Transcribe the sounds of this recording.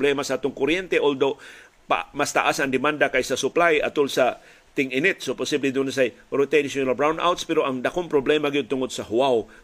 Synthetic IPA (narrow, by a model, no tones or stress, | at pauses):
blɛmasaaːt̪ʊŋkʊɾjɛnt̪eʔold̪o | pa̰mast̪a̰ʔasaŋd̪ɪmand̪akajsasʊplajʔa̰t̪ʊlsa | t̪ɪŋʔɪnɪt̪̚sopʊsiblid̪ʊnas̬ajɾʊt̪ensonalbɾawnd̪ʔa̰wt̪spɛɾoʔaŋd̪akoŋpɾoblɛmaɡɪjʊd̪̚t̪ʊŋod̪̚saɦʊaw